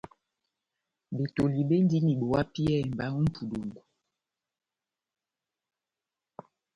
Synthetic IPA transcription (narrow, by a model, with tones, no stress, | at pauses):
be˨to˨li˨be˦n˦di˦ni˨ɓo˨wa˦pi˦ɛ˦˨m˨ba˦u˦m̩˦pʰu˨do˨ŋɡu˨